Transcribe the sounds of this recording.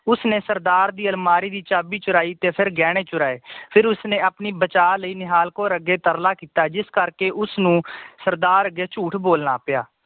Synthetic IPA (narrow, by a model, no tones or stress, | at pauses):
ʊsneːsəɾd̪aːɾd̪iːəlmaːɾiːd̪iːt͡ʃaːbiːt͡ʃʊɾaːiːt̪eːpʰɪɾɡɛːɽ̃eːt͡ʃʊɾaːeːpʰɪɾʊsnẽːaːpniːbət͡ʃaːləiːnɪɦaːlkoːɾəɡeːt̪əɾlaːkiːt̪aːd͡ʒɪskəɾkeːʔʊsnũːsəɾd̪aːɾəɡeːt͡ʃuːʈʰboːlna̰ːpɪjaː